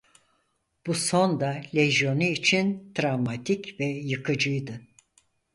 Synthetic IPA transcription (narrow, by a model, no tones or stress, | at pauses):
b̥uso̞nd̪alʲeʒjo̞nuit͡ʃʰint̪ɾavmat̪ʰicvɛjɯkʰɯd͡ʒɯjd̪ɯ